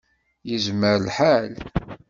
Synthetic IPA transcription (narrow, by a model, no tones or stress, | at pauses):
jəzməɾlħal